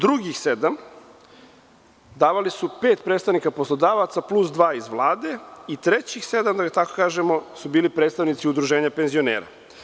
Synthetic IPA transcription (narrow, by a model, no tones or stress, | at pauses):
d̪ɾuɡixsed̪am | d̪aːʋalisupet̪pɾed̪st̪aʋnikaposlod̪aːʋat̪saplusd̪ʋaːizʋlˠaːd̪e̞it̪ɾet͡ɕixse̞d̪amd̪aɡat̪akokaːʒemo̞subiːlipɾed̪st̪aʋnit̪siud̪ɾuʒe̞ːɲape̞nzio̞nḛːɾa̰